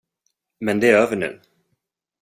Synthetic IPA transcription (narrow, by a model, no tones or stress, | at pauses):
mɛnd̪ɛæɾøːvəɳʉ̟̰ː